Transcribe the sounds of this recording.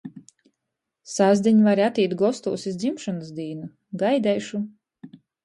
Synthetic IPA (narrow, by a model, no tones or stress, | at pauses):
sazd̪ʲiɲʲvaɾiat̪iːt̪ɡɔst̪ṵːsizd̪zimʃɔnas̬d̪ʲiːnu | ɡajd̪ɛjʃu